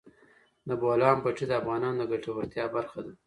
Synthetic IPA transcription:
naboalɑːmpaʈ͡ʂid̪əafɣɑnɑnd̪əɡaʈawaɾt̪jɑbaɾxad̪a

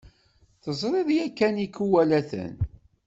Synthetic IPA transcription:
θəzˤɾˤɪðjækːænikːuwælæθə̰n

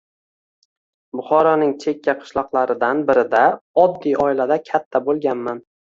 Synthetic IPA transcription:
bʊχɒɾɒnɪŋt͡ʃʰe̞kʲːaqʰɨ̥ʃlˠɒqlˠaɾɪd̪anbɪɾɪd̪aɒd̪ːijɒɪlad̪akʲʰat̪ʰːabolˠɡʲanman

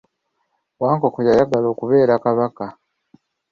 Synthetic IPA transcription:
waːŋko̞kojajaɡalo̞ːkuβe̞ːɾakaβaka

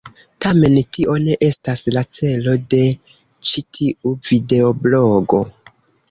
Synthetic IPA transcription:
tame̞ntiʔo̞ne̞ʔe̞staslat͡se̞lo̞de̞ | t͡ʃitʰiuvide̞obloɡo̞̰

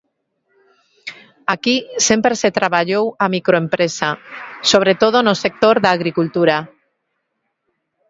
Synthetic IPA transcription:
akisempɾeset̪ɾaβ̞aʎowamikɾoempɾesasoβ̞ɾet̪oð̞onosek̚t̪oɾðaɣɾikult̪uɾa

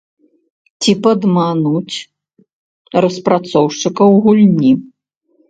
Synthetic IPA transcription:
t͡sʲipɐd̪manut͡sʲ | rɐspɾat̪sɔwʂt͡ʂɨkɐwɣulʲnʲi

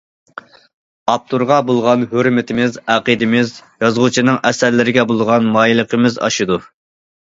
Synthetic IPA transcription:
ɑp̚t̪ʰuɾʁɑbolˠʁɑnhøɾmɪt̪ʰɪmɪzæqəd̪ɪmɪzjɑzʁʊt͡ʃʰinɨŋɛsæɾlɪɾɪɡʲɛbolˠʁɑnmɑːjilˠəqʰəmɪzɑ̰ʃɨd̪u

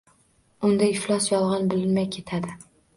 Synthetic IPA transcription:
ʊnd̪aɪflˠɒsjɒlˠʁɑnbɪlɪnmajkʲʰe̞t̪ʰad̪ɪ

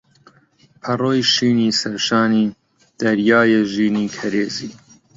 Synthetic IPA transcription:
pʰɐroːjʃiːniːsɐɾʃaːniː | d̪̥ɐɾjaːjeʒiːniːkʰɐɾeːziː

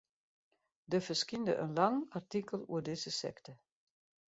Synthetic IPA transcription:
dəfəskində̰ʔə̰nlɑŋartikəlˠṵədɪzəsɛ̰ktə

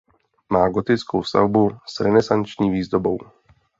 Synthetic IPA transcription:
maːɡot̪ɪt͡skowst̪a̰vbusɾɛnɛsant͡ʃɲiːviːzd̪obow

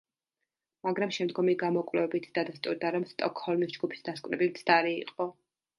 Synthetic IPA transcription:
maɡɾamʃɛmd̪ɡɔmiɡamɔkʼvlɛvɛbit̪ʰd̪ad̪ast̪ʼuɾd̪aɾɔmst̪ʼɔkʰhɔlˠmisd͡ʒɡupʰi̥sd̪askʼvɾɛbit̪sʰd̪aɾiːqʼɔ

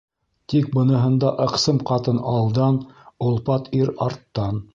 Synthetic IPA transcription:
t̪ik̚bɤ̆nɤ̆ɦɤ̆nd̪ɑʔɤ̆qsɤmqɑt̪ɤnɑlˠd̪ɑnŏlˠpɑt̪iɾɑɾt̪ːɑn

